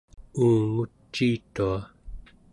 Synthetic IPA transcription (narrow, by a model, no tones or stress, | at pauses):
uːŋut͡ʃːiːt̪ua